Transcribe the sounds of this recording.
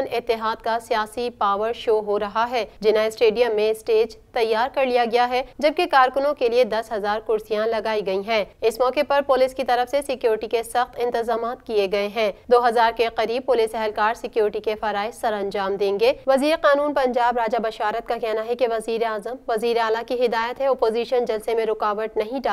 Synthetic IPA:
nɪt̪ːɪɦaːd̪̚kasijaːsipaːʋəɾʃoːɦoɾɐɦaɦɛːd͡ʒɪnãɪsʈeːɖijəmːẽɪsʈeːd͡ʒt̪ɐjːaːɾkɐɾlijaɡɐjaɦɛd͡ʒɐb̚kekaːɾkʊnõkelied̪ɐsɦɐzaːɾkʊɾsijãlɐɡaːiɡɐiɦɛ̃ːɪsmɔːqepɐɾpʊlɪːskit̪ɐɾəfsesɪkjuːɾɪʈikesɐxt̪ɪ̃nt̪ɪzaːmaːt̪kieɡɐeɦɛ̃ːd̪oːɦɐzaːɾkeqɐɾiːb̚pʊlisɛɦɛlkaːɾsɪkjoːɾɪʈikefaɾaːɪsɐɾɐ̃nd͡ʒaːmd̪ẽːŋɡeːʋɐziːɾeqaːnuːnpɐ̃ɲd͡ʒaːbɾaːd͡ʒabɐʃaːɾət̪̚kakɛɦnaɦɛkeʋɐziːɾeaːzəmʋɐziːɾeaːlakiɦɪd̪aːjət̪ɦɛɔpoːziːʃənd͡ʒɐlsemẽɾʊkaːʋət̪nɐɦĩɖa

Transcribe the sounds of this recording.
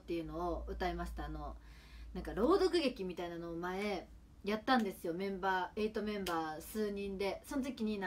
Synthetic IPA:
t̪ːe̞jɯ̟no̞ːɯ̟t̪aemaɕi̥t̪aːno̞ | nãŋkaɾo̞ːd̪o̞kɯ̟ɡe̞kʲimʲit̪ainano̞ːmae̞ | jat̪ːãnd̪e̞sɨjo̞mẽ̞mbaːe̞it̪o̞mẽ̞mbaːsɨːɲ̟ĩnd̪e̞so̞not̪o̞kʲiɲ̟in

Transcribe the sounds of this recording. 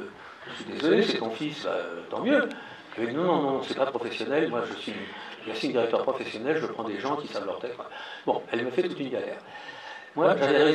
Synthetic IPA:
ʒ̥əsɥid̪ezɔlesɛt̪ɔ̃fisba̰t̪ɑ̃mjø | avɛd̪inɔ̃nɔ̃nɔ̃sɛpapχɔfɛsjɔnɛlmwaʒəsɥiʒasĩnd̪iʁɛkt̪œʁpχɔfɛsjɔnɛlʒəpχɑ̃d̪eʒɑ̃kʲisavlœʁt̪ɛt̪ãbɔ̃ɛlməfɛt̪ut̪ynɡʲalɛ̰ːʁ | mwaʒadɛʁɛ

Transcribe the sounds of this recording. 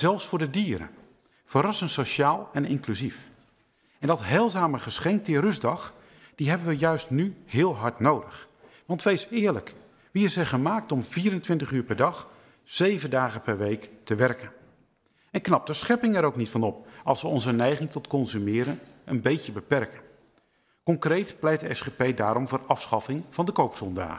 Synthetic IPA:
z̥ɛlˠfsfʊːɹdədiːɾə̰ | fəɾɑsənsoʃaːlˠɛnɪŋklyzif | ɛndɔtɦɛlˠzaːməχəsχɛŋk̚tɪrɵzdɑχ | d̥iɦɛbənʋəjœɥstnyhɪːəlˠɦɑɹtnowdəχ | ʋɑntʋejsɪːɹlək | ʋiɪsɛjχəmaːk̚tɔmviːɾəntʋɪntəχyːɹpɛɹdɑχ | sejvəndaːχəpɛɹʋejktəʋɛrkən | ɛnknɑp̚dəsχɛpɪŋɛɾowknitfɑnɔp̚ɑlˠsʋəɔnzənɛjχɪŋtɔtkɔnzymɪːɾənənbejcəbəpɛrkən | kɔŋkrejtplɛjtdəɛsχepejdaːɾɔmvʊːrʔɑfsχɑfɪŋv̥ɑndəkowpsɔnda̰ː

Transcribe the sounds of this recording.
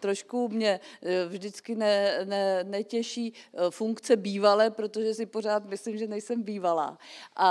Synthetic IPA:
t̪ɾo̞ʃkumɲɛvʒdɪt͡skɪnɛnɛnɛcɛʃiːfuŋkt͡sɛbiːvalɛːpɾo̞t̪o̞ʒɛsɪpo̞r̝aːt̪mɪslimʒɛnɛjsɛmbiːvala̰ːʔa

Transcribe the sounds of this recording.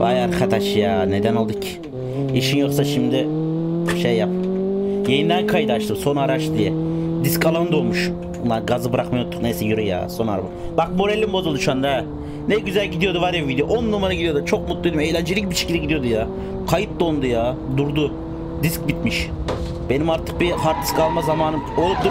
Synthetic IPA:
ba̰jaɾkʰat̪ʰaʃjaːne̞d̪ænolˠd̪ɯcʰ | iʃinjo̞ksaʃimd̪ɪ | ʃejːap̚jejind̪ænkʰajd̪ɯat͡ʃt̪ɯmso̞naɾaʃtd̪ijɛd̪iskalˠand̪olˠmuʃ | unlːˠaɾɡazɯbɾakmajot̪t̪ʰːu̥knejsɛjuɾuja̰ːso̞na̰ɾba | bak̚mo̞ɾelʲːimbozulˠd̪uʃand̪a | nɛɟyzælʲɟid̪ijo̞d̪uvaɾjovid̪ejoʔonːumaɾaɡɟid̪ijo̞d̪ut͡ʃʰo̞k̚mut̪lˠuijd̪ʲime̞jlʲænd͡ʒilʲicbiʃi̥e̥cʰilɛɟid̪ijo̞d̪ujaː | kʰajɯp̪̚d̪ond̪ujaːd̪uɾd̪u | d̪isc̚bit̪miʃ | b̥e̞nimaɾt̪ʰɯ̥k̚biɦaɾt̪ʰːɯ̥skʰalˠmazamaːnɯmolˠud̪u

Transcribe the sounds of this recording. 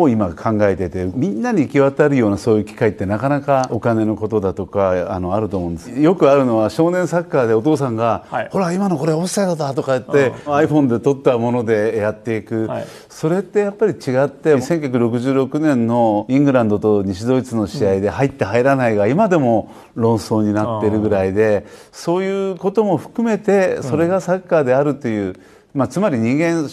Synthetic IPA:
oimakʰãŋɡae̞t̪et̪e̞ɯmʲĩnːaɲ̟ikʲiβat̪aɾɯ̟jo̞ːnasoːjɯ̟kʲi̥kait̪ːe̞nakanakao̞kane̞no̞ko̞t̪o̞d̪at̪o̞kaːno̞aɾɯ̟t̪o̞ːmõ̞ːnd̪esjo̞kɯ̟aɾɯ̟no̞βaɕo̞ːnẽ̞ɰ̃sakːad̪e̞ot̪o̞ːs̬ãŋɡaho̞ɾaimano̞ko̞ɾe̞osad̪at̪at̪o̞kaɯt̪ːeaiɸõ̞nd̪e̞t̪o̞t̪ːamo̞no̞d̪e̞jat̪ːe̞ikɯ̟ | so̞ɾe̞t̪ːe̞japːaɾʲit͡ɕiɡat̪ːe̞sẽ̞ŋk̬ʲak̬ɯ̟ɾo̞k̬ɯ̟ʑɨːɾo̞kɯ̟nẽnːo̞ĩŋɡɯ̟ɾãnd̪o̞t̪o̞ɲ̟iɕid̪o̞ːit͡sɨno̞ɕiaid̪e̞hait̪ːe̞ɦaiɾanaiɡaimad̪e̞mo̞ | ɾõ̞ɰ̃so̞ːɲ̟inat̪ːe̞ɾɯ̟ɡɯ̟ɾaid̪e̞ | so̞ːjɯ̟ːko̞t̪o̞mo̞ɸɯ̟̥kɯ̟me̞t̪e̞so̞ɾe̞ɡasakːaːd̪e̞aɾɯ̟t̪ːe̞jɯ̟ː | mat͡sɨmaɾʲiɲ̟ĩŋɡẽ̞ɰ

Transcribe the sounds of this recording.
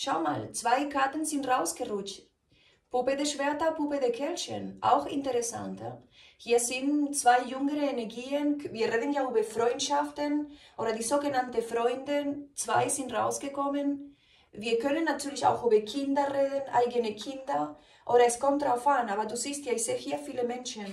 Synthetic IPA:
ʃaʊma̰ːlt͡sv̥aɪɡaɐtn̩zɪntʁaʊsɡ̥əʁʊt͡ʃt | pupədeʃv̥ɛɐtɐpupədekʰɛlʃə̰nʔa̰ʊxɪ̰ntəʁɛsa̰ntɐ̰hiːɐzɪnt͡sv̥aɪjʏŋəʁəenɛɐɡiːənviːɐʁeːdn̩jaːyːbɐfʁɔʏntʃaftənʔoːɾɐdiːzoːɡənantəfʁɔʏndət͡sv̥aɪzɪntʁa̰ʊsɡ̥əkʰɔmən | viːɐkʰœnənːatʰyːɐlɪça̰ʊxyːbɐkʰɪndɐʁeːdənʔa̰ɪɡənəkʰɪndɐ | ʔoːɾɐɛskʰɔntʁafanaːbɐduːziːsthaːɐɪçz̥eːhiːɐfiːləmɛnʃən

